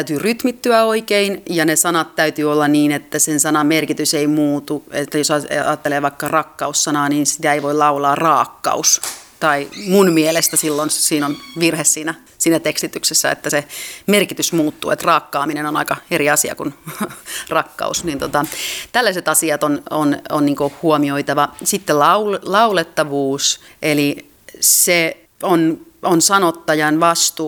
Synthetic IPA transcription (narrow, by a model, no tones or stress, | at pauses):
t̪æyt̪yːryt̪mit̪ːyæoikeinjɑnesɑnɑt̪tæyt̪yːolːɑniːnet̪ːæsensɑnɑmerkit̪yseimuːt̪uet̪ːæjosɑɑːt̪ːeleːʋɑikːɑrɑkːɑussɑnɑːniːnsit̪æeiʋoilɑulɑːrɑːkːɑ̰ust̪ɑimunmielest̪æsilːonsiːnonʋirhessiːnæ | siːnæt̪ekst̪it̪yksesːæ̰ḛt̪ːæsemerkit̪ysmuːt̪ːṵːḛt̪rɑːkːɑːminenonɑikɑeɾiɑsiɑ̰kun | rɑkːɑ̰usnint̪ot̪ɑt̪ælːæiset̪ɑsiɑt̪onononniːŋkohuomioit̪ɑʋɑsit̪ːelɑullɑulet̪ːɑʋuːsʔeli | se | ononsɑnot̪ːɑjɑnʋɑst̪uː